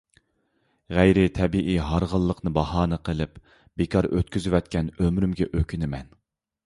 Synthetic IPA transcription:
ʁæjɾɪt̪ʰɛbiʔiɦɑɾʁəlˠːəqʰnɨbɑhɑːnɨqʰəlˠɪp | b̥ekʰɑɾø̰t̪kʲyzywɛt̪kʲɛnømɾymɡʲɛʔøkʲʰynɪmɛn

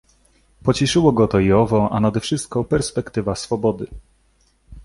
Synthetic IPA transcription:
pɔt͡ɕɛʂɘwɔɡɔt̪ɔiɔvɔʔanad̪ɛfʂɘst̪̚kɔpɛɾspɛkt̪ɘvasfɔbɔd̪ɘ

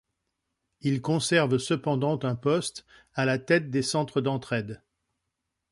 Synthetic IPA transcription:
ilkɔ̃sɛʁvsəpɑ̃d̪ɑ̃t̪ɛ̃pɔst̪ | alat̪ɛt̪̚d̪esɑ̃t̪χəd̪ɑ̃t̪χɛd̪

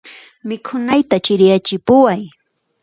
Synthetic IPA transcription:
mɪkʰʊnajt̪at͡ʃɪɾjat͡ʃɪpʊwaj

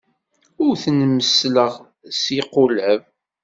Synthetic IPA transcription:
ʊɾθənməsləʁ | siqʊlʕəv

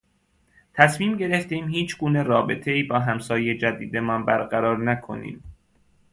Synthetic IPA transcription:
t̪ʰæsmiːmɟe̞ɾeft̪iːmhiːt͡ʃʰɡuːne̞ɾɒːbe̞t̪ʰeiːbɒːɦæmsɒːjed͡ʒæd̪iːd̪e̞mɒnbæɾɢæɾɒːɾnækʰo̞̰nḭːm

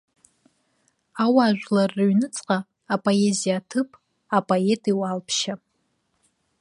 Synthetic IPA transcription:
awaːʒᶣʷlarːɨɥnɨt͡sʼqʼaː | pʼo̞e̞zijatʰɨpʼ | apʼoe̞tʼiwalpʰʃa

